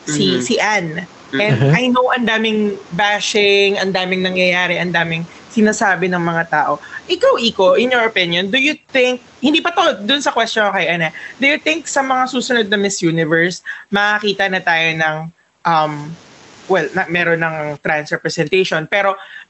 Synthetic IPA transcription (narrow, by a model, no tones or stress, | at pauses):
sisiʔan | ʔɛ̃nd̪ajnowʔɐnd̪aːmɪŋbaʃɪŋɐnd̪aːmɪŋnɐŋjɐjaːɾɛʔɐnd̪aːmɪŋ | sɪnaːsaːbɪnɐŋmɐŋat̪aːʔoʔɪkawʔikoʔɪnjɔɹʔopɪnjond̪ʊjʊt̪ɪŋk̚hɪ̃nd̪iːpɐt̪od̪ʊnsɐkwɛst̪jonkɐjʔɐnad̪ʊjʊt̪ɪŋk̚sɐmɐŋasuːsʊnod̪̚nɐmɪsjuːnɪvɛɹsmɐɐkiːt̪ɐnɐt̪aːjonɐŋ | ʔɐm | wɛlnɐmɛːɾonːɐŋt̪ɾansɹɛpɹɛsɛnt̪ejʃonpɛːɾo̞